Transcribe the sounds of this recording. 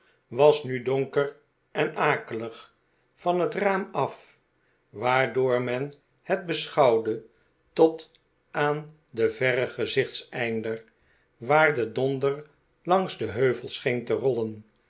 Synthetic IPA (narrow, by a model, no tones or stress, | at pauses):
ʋɑsnydɔŋkər | ɛnaːkələχ | fɑnɦətraːmɑf | ʋaːɹdʊːɹmɛn | hɛt̚bəsχɑwdə | tɔt | aːn | dəvɛʁəχəzɪχtsɛjndər | ʋaːɹdədɔndəɹ | lɑŋzdəɦøɥvəlˠsχejntərɔlən